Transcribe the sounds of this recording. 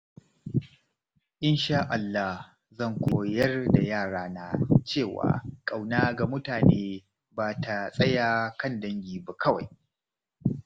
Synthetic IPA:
ʔɪ˦nʃaː˦ʔa˨lːa˦h | zɐ˦˨ŋkʷoː˨jɐ˦rda˨jaː˦˨ɽaː˦na˨t͡ʃeː˦˨wa̰ː˨kʼa˨wnaː˦ɡa˨mʊ˦taː˨neː˦ | baː˨tʰa˨sʼɐ˦jaː˦kʰɐ˦˨ndɐ˦ŋɡʲiː˨ba˨kʰɐ˦wa˨j

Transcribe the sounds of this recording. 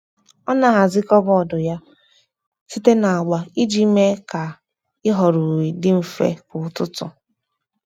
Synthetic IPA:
ɔ˦na˨ɦa˨zɪ˦kɔ˦bɔ˨dʊ˨ja˦ | si˦te˦na˨a˨ɡ͡ba˨i˦d͡ʒi˦me˦ka˨ | ɪ˦ɦɔ˨ɾu˨wi˨dɪ˦m̩˨fḛ˦kʊ˨tʊ˦tʊ̰˨

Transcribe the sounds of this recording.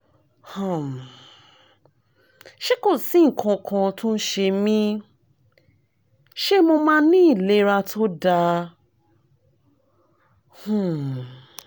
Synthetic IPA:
hã˨ | ʃe˦ko˦˨sĩ˨˦ŋ̩˨kʰã˧kʰã˧tũ˦n̩˦ʃe˧mĩ˦ | ʃe˦mo˧mãː˦nĩ˦i˦˨le˨˦ɾa˧tʰo˦da˧ | hũ˨

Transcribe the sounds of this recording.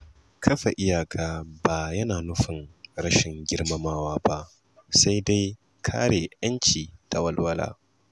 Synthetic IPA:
kʰɐ˦ɸe˨ʔɪ˦jaː˨kʰaː˦ba˨jɐ˦naː˨nʊ˦ɸɪ˨ŋɾɐ˦ʃɪ˨ŋɡʲɪ˦ɽmɐ˦maː˦waː˦ba˦ʔ | sa˦jda˦j | kʰa̰ː˦ɽeː˨ʔɐ˦nt͡ʃiː˨ta˨wɐ˦lwɐ˦la̰ː˦

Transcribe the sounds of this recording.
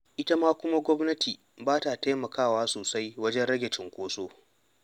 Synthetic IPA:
ʔɪ˦tɐ˦maː˦kʷʊ˦ma˦ɡʷɔ˦mnɐ˦tʰiː˨ | baː˦ta˨ta˦jmɐ˨kaː˦˨waː˦soː˨sa˦jwɐ˦d͡ʒɛ˦nɽɐ˦ɡʲɛ˨t͡ʃɪ˨ŋkʷoː˦soː˦

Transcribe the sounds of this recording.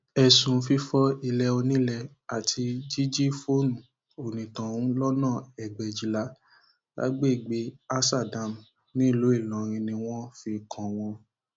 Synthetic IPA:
ɛ˨sũ˨˧fi˧fɔ˧˦i˧lɛ˧o˧nĩ˦lɛ˧ | a˨tʰi˧d͡ʒi˦d͡ʒi˦fo˦nũ˨ | o˨nĩ˨tã˨ũ˦lɔ˦nãː˦˨ɛ˨ɡ͡bɛ˨d͡ʒi˨˦la˨˦ | ɡa̰˨˦ɡ͡be˦i˨ɡ͡be˨˦a˦sa˦˨dã˨m | nĩ˦˨lo˨˦i˦˨lã˨ɾ̃ĩ˧nĩ˧w̃ɔ̃˦fi˧kʰã˨w̃ɔ̃˧

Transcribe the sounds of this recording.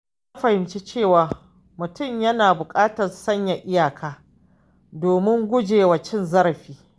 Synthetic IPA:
ja˦ɸɐ˨hɪ˨mt͡ʃeː˦t͡ʃeː˦˨waː˨ | mʊ˨tʊ˦˨mjɐ˦naː˨bʊ˨kʼaː˦tɐ˨nsɐ˦ɲja˨ʔɪ˦jaː˨kʰaː˦ | doː˨mɪ˦ŋɡʷʊ˦d͡ʒeː˨wa˨t͡ʃɪ˦nzɐ˦ɾɐ˨ɸiː˦

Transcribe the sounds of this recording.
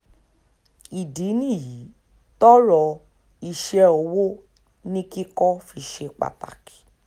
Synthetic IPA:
i˨di˨˦nĩ˦˨ji˨˦ | tɔ˦ɾɔ˧ | i˧ʃɛ˧o˧wo˦ | nĩ˦ki˦kɔ˦fi˧ʃe˧k͡pa̰˨ta̰˨ki̥˨˦

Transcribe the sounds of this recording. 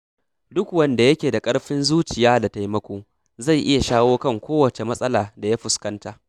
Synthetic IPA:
dʊ˦kwɐ˦˨nda˨jɐ˦kʲeː˨da˨kʼɐ˦ɽɸɪ˦nzuː˦t͡ʃɪ˨jaː˦da˨ta˨jmɐ˦kʷoː˦ | za˦˨jʔɪ˦ja˨ʃaː˦woː˦kɐ˦˨ŋkʷoː˦wɐ˨t͡ʃe˨mɐ˦sʼɐ˦laː˨da˨ja˦ɸʊ˨skɐ˦ntaː˦

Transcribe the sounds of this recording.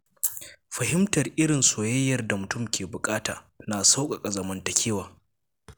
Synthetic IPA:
ɸɐ˨ɦɪ˦mtɐ˨rʔɪ˦ɽɪ˨nsoː˨jɐ˦jːɐ˨rda˨mʊ˨tʊ˦˨mkʲeː˨bʊ˨kʼaː˦taː˨ | naː˨sa˦wkʼa˨kʼɐ˨zɐ˨mɐ˦ntɐ˦kʲʰeː˦waː˨

